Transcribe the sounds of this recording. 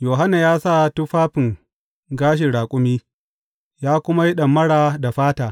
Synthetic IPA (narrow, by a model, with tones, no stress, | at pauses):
joː˨ɦa˦na˨jaː˦sa˦˨tʊ˦ɸaː˦ɸɪ˨ŋ | ɡaː˦ʃ̬ɪ˨ɽaː˨kʷʼʊ˦miː˦ | jaː˦kʷʊ˦ma˦ji˦ɗɐ˨mːɐ˦ɽaː˨da˨ɸaː˦taː˨